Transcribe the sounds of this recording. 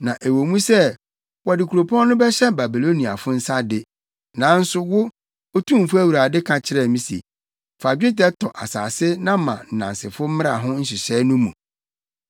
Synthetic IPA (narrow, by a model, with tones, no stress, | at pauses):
nã˨ʔe˨wo˨mũ˦sɛ˦˨ | wɔ˨dɪ˨kʰu˨ɾo˨pʰɔ̃˦nʊ̃˦bɛ˦ɕɛ˦ba˨bi˨lo˦nĩ˨a̰˨fʊ˦n̩˦sa˦dɪ˦ | nã˨˦n̩˦sʊ˦wʊ˦ | o˦tʰũ˦m˨fʊ˦æ˦wu˨ɾa˨dɪ˦kʰã˨t͡ɕʰɪ˦ɾɛ˦˨mĩ˦sḭ˨ | fa˨d͡ʑᶣe˦tɛ˦tʰɔ˨ʔa̰˨saː˨sɪ˦nã˦mã̰˨n̩˨nã˨nsɪ˨fʊ˦m̩˦mɪ̃˦ɾa̰˨ɦʊ̃˦n̩˦ɕ̬ɪ˨ɕɛː˨˦nʊ̃˦mṵ̃˨